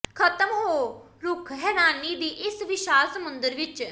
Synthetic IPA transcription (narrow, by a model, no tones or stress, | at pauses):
kʰət̪əmɦoː | ɾʊkʰɦɛːɾaːniːd̪iːʔɪsʋɪʃaːlsəmʊnd̪əɾʋɪt͡ʃ